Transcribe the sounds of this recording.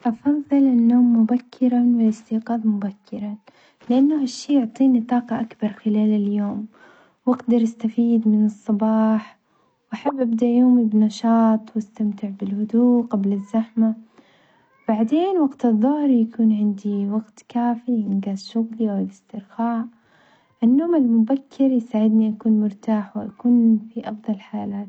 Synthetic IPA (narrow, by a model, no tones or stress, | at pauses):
ʔɑfɑðˤːɨlɪnːoːmːʊbakʰːɪɾawɪlɪst̪iːqɑːd̪mʊbakːɪɾa | lɪʔanːʊhaʃːiːjʊʕt̪ˤiːnit̪ˤɑːqɑʔakbɑɾˤxɪlaːlaljoːm | wɪɡd̪ɑɾˤʔast̪afiːd̪mɪnɨsˤːɑbɑːħ | wʔaħabːʔabd̪aʔjoːmɪbnɑʃɑːt̪ˤwast̪amt̪ɪʕbɪlhʊd̪uːqablazːaħma | baʕd̪eːnwaɡt̪ɨðˤːʊhɾjakuːnʕɪnd̪iwaɡt̪kaːfiʔɪnɡaːzʃʊɣliʔawɪlɪst̪ɪɾxaːʕ | ʔɪnːoːmalmʊbakʰːɪɾjsaːʕɪd̪niʔakuːnmʊɾt̪aːħwɪʔakuːnfiʔɑfðˤɑlħaːlaːt̪